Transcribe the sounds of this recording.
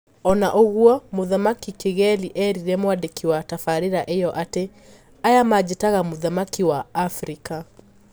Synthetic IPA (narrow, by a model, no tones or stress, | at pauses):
ɔnaʔoɣwɔmoðamakikeɣɛliʔɛɾiɾɛmwadekʰiwatafaɾeɾaʔejɔʔate | ajamad͡ʑetaɣamoðamakiwaːfɾika